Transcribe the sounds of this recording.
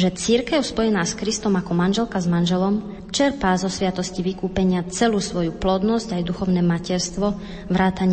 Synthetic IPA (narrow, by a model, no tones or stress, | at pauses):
ʒɛt͡siɾkɛʊspɔjɛnaːskɾist̪ɔmakɔmanʒɛlkazmanʒɛlɔm | t͡ʃɛɾpaːzɔsʋɪat̪ɔsciʋikuːpɛɲɪat͡sɛluːsʋɔjuplɔd̪nɔzcajd̪uxɔʊnɛːmacɛɾst̪ʋɔ | ʋɾaːt̪aɲ